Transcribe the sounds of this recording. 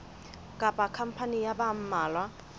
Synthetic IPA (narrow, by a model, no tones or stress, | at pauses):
kʼapʼakʰam̩pʰanijabam̩maːlwa